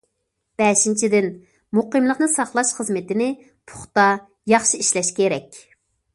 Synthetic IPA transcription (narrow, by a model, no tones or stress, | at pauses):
b̥ɛʃint͡ʃʰid̪ɪn | muqəmlˠəqnɨsɑχlˠɑʃχəzmɪt̪ɪnɪ | pʰʊ̥χt̪ɑ | jɑχʃiiʃlɛʃkʲʰeɾɛkʲ